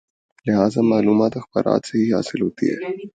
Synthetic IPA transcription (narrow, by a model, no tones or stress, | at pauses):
lɪɦaːzamaːluːmaːt̪əxbə̰ɾʔa̰ːt̪səɦiːɦa̰ːsɪlɦot̪ḭːɦɛ̰